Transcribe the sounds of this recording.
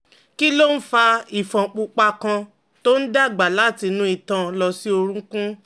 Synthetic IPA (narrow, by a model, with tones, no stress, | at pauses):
ki˦lo˦n̩˦fa˧i˨fɔ̃˨k͡pu˧k͡pa˧kã˧ | to˦n̩˦da˦˨ɡ͡ba˨la˨˦˨ti˧nũ˦i˦˧˨tã˨lɔ˧si˦o˧ɾ̃ũ˦kũ˦